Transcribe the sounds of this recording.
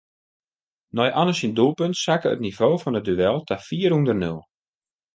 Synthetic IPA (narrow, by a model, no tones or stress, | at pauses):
nɔjʔɔnəsindulˠpøntsakəə̰tnivoːfɔnət̚dyɛlˠtʰafiːərhundərnølˠ